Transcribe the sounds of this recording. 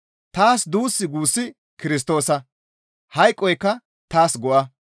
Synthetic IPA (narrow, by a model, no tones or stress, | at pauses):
t̪aːsd̪uːsːɪɡuːsːɪ | kɪɾɪs̬t̪o̞ːsɐ | hɐjkʼːɔjkːɐ | t̪aːsɡɔʔɐ